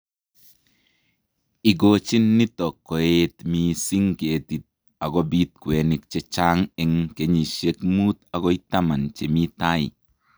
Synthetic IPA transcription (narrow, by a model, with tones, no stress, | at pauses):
i˨ɡo˨t͡ʃi˦nːi˦tɔ˨kːɔ˨e˦tmi˨si˦ŋke˨ti˨t̚ | a˨ɡɔ˦bi˦t̚kwe˨ni˨kt͡ʃe˦t͡ʃa˦ŋɛ˨ŋke˨ɲi˨ʃe˦kmu˦ta˨ɡɔ˦i˦ta˦ma˨nt͡ʃe˨mi˦ta˦ḭ˨